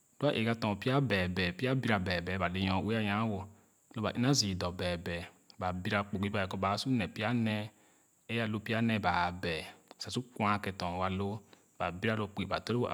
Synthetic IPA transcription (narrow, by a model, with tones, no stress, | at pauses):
du˦a˦ʔe˨ka˧˦tɔ̃˨pi˦a˦bɛ˨bɛ˨pi˦a˦bi˦ɾa˨bɛ˨bɛ˨˦ba˨le˨jɔ̃˨we˦a˦jã˨˦wo˨ | lo˦ba̰˨ʔḭ˦na˦zi˨dɔ˨bɛ˨bɛ˨ | ba˨bi˦ɾa˧k͡po˨ɡi˦ba˨ɛ˨kɔ˦ba˨˦su˦nɛ˨pi˦a˦nɛ˧ | e˦a˦˨lo˧pi˦a˦nɛ˧˨ba˨bɛ˨sa˨su˦ku˦ã˦kɛ˧tɔ̃˨wa˧lo˦ | b̥a˨bi˦ɾa˦lo˨k͡pe˨ba̰˨tɔ˦ɾe˦˨